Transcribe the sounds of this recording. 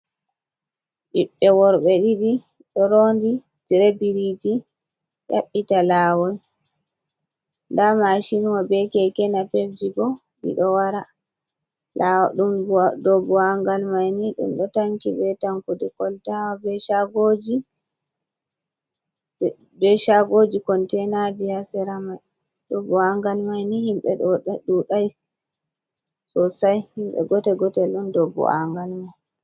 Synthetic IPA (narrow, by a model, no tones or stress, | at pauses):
ɗiɓːɛwɔɾɓɛɗiɗi | ɗɔɾondi | tiɾebiɾid͡ʒi | ja̰ɓːitalaːwɔj | ndamaʃinuwabɛkɛkɛnapefd͡ʒibɔ | ɗḭɗɔwaɾa | laɗumdɔbuaŋɡalmajniɗṵmɗɔtaŋkibɛtaŋkuɗɛkɔltawabɛʃaɡod͡ʒi | bɛʃaɡod͡ʒikɔntɛnad͡ʒihasɛɾamaj | dɔbːɔaŋɡalmajnihimɓɛ̰ɗuɗaj | sɔsajhimɓɛ̰ɡɔtɛɡɔtɛlɗumdɔbːɔ̰ʔa̰ŋɡalmaj